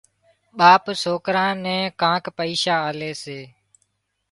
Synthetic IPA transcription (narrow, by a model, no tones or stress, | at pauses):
ɓaːpsoːkɾãːnɛ̃ːkãːkpəiːʃaːaːleːseː